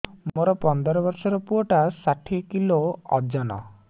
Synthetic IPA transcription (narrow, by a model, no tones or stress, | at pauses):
moɾɔpɔnd̪ɔɾɔbɔɾsɔɾɔpuɔʈasaʈʰikiloɔ̰d͡ʒanɔ̰